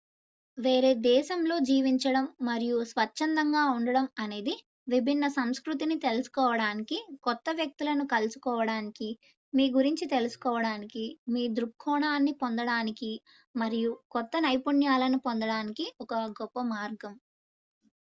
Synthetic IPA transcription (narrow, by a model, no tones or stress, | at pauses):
ʋe̞ːɾeːd̪ɛːʃɐmlo̞ːd͡ʒiːʋiɲt͡ʃɐɽɐmːɐɾijusʋɐt͡ʃʃːɐnd̪ɐŋɡaːuɳɖɐɽɐmɐne̞ːd̪i | ʋibʱinːɐsɐmskɾut̪̬init̪e̞lusu̥kɔːʋɐɽaːnikikɔt̪ːɐʋjɐk̚t̪ulɐnukɐlusu̥kɔːʋɐɽaːniki | miːɡuɾiɲt͡ʃit̪e̞lusu̥kɔːʋɐɽaːnikimiːd̪ɾukʰːɔːɳaːnːipond̪ɐɽaːniki | mɐɾijukɔt̪ːɐnɐjpuɳjaːlɐnupond̪ɐɽaːnikiɔkɐɡɔpːɐmaːɾɡɐm